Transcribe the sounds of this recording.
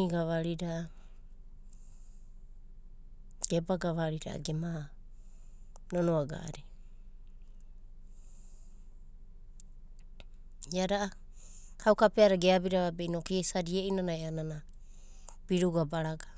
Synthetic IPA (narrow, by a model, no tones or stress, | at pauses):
iɡaβaɾiɾaʔ | ɡ̥ebaɡaβaɾiɾa̰ʔa̰ɡema | nonoaɡa̰ʔɾe | iaɾaʔa | kʰawkapeaɾaɡeabiɾaβabejnokiesaɾieʔinanaeanana | b̥iɾuɡabaɾaɡḁ